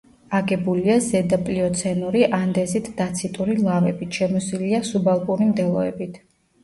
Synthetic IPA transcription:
aɡɛbuliazɛd̪apʼliɔt̪sʰɛnuɾiʔand̪ɛzit̪ʰd̪̥at̪sʰit̪ʼuɾilˠavɛbit̪ʰʃɛmɔsiliasubalˠpʼuɾimd̪ɛlˠɔɛ̰bit̪ʰ

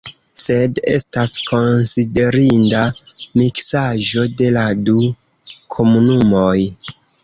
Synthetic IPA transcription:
se̞de̞̰staskʰo̞nside̞ɾindamiksaʒo̞de̞ladu | kʰo̞munumo̞j

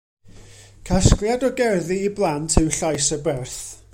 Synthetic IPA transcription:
kʰasklˠjadɔɡɛrðiːblˠantʰɨwɬajsəbɛrθ

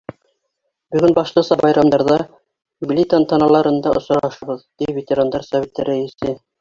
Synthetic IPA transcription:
bɵ̆ɡɵnbɑʃlˠɤsɑbɑjɾɑmd̪ɑɾðɑ | ɡlʲit̪ant̪ɑnɑlˠɑɾɤ̆nd̪ɑʔŏsɾɑʃɤ̆βɤðt̪ivʲet̪ʲeɾand̪ɑɾsɑvʲet̪ːɘɾæisɘ

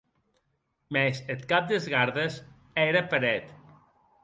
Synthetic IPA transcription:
mɛset̪kap̚d̪ezɣaɾðes | ɛɾəpəɾɛt̪

